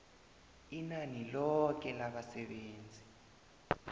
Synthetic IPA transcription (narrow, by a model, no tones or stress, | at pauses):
inanilɔk̬ʼɛlaɓasɛɓeːnd͡zʱi